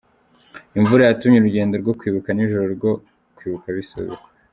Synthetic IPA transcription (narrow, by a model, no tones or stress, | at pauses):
iɱvuɾajatumɲeɾuɟe̞ːndo̞ɾɡo̞kwiːβukaniʒoɾoɾɡo | kwiːβukaβiso̰βḭko̥